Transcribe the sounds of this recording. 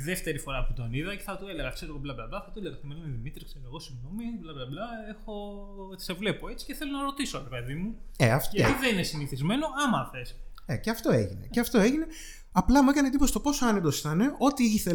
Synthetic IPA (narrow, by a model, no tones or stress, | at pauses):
ðeft̪e̞ɾifo̞ɾɐput̪oniðɐce̞̥θɐt̪oeleɣɐkse̞ɾoɣoblɐblɐblɐθɐt̪oeleɣɐt̪omelimeðimit̪ɾiskseɾoeɣo̞siɣno̞miblɐblɐblɐexo̞ | se̞vle̞po̞et͡si̥ceθelonɐɾo̞t̪iso̞ɾepe̞ðimueɐft̪t̪iðeninesiniθizme̞no̞ɐmɐθes | eceɐft̪o̞e̞ʝine̞̰eɐft̪o̞eʝine̞ | ɐplɐmuekɐnet̪ipost̪opo̞soɐnep̚t̪o̞si̥t̪ɐne̞ʔo̞t̪iiθe̞